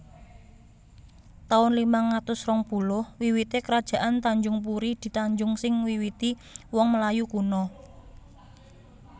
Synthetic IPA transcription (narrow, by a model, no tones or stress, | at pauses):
t̪aʊnlimaŋat̪ʊsrɔŋpulʊhwiwit̪ekəɾad̥ʒ̥a̤ʔant̪aɲd͡ʒʊŋp̬uɾid̪̥i̤t̪aɲd͡ʒʊŋsɪŋwiwit̪i | wɔŋməlajukunɔ